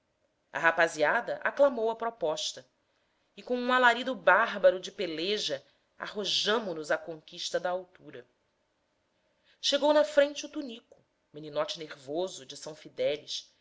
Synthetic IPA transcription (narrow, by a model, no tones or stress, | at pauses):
ɐ̰ɦapaziad̪ɐʔa̰klamowɐpɾɔpɔʃt̪ɐ | ɪkõũalaɾid̪ʊbaɦbɐɾʊd͡ʒɪpeleʒɐ | a̰ɦoʒɐ̃mʊnʊzɐkõŋkiʃt̪ɐd̪ɐːwt̪uɾɐ | ʃeɡownɐfɾẽt͡ʃɪut̪unikʊ̥ | meninɔt͡ʃɪneɾvozʊd͡ʒɪsɐ̃w̃fid̪ɛlɪʃ